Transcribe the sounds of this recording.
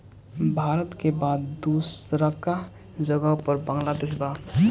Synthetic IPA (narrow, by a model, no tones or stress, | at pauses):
bʱaːɾət̪kebaːd̪ːusɾəka | d͡ʒəɡaupəɾbə̃ŋɡlad̪ɪsba